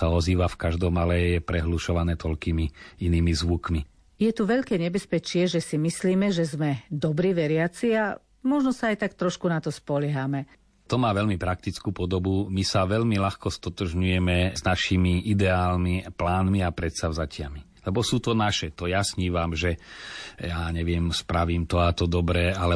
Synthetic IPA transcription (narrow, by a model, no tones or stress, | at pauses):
saɔziːʋafkaʒd̪ɔmalɛjɛpɾɛɦluʃɔʋanɛːt̪ʰɔlkiːmiiniːmizʋukmi | jɛt̪uʋɛʎkɛːɲɛbɛspɛt͡ʃɪɛʒɛsimisliːmɛʒɛzmɛd̪ɔbɾiːʋɛɾɪat͡sia | mɔʒnɔsaːjt̪akt̪ɾɔʃkunat̪ɔspɔlɛɦamɛ | t̪ɔmaːʋɛʎmipɾak̚t̪it͡skuːpɔd̪ɔbumisaʋɛʎmilaxkɔst̪ɔt̪ɔʒɲujɛmɛznaʃimiʔid̪ɛaːlmiplaːnmiapɾɛt̪saʊzacɪami | lɛbɔsuːt̪ɔnaʃɛt̪ɔjasɲiːʋamʒɛ | jaːɲɛʋɪɛmspɾaʋiːmt̪ɔat̪ɔd̪ɔbɾɛːalɛ